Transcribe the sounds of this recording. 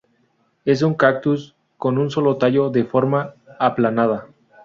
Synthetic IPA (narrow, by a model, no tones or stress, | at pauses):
e̞s̬uŋkak̚t̪us | ko̞nunso̞lo̞t̪aʝo̞ðe̞fo̞ɾmaːplanað̞a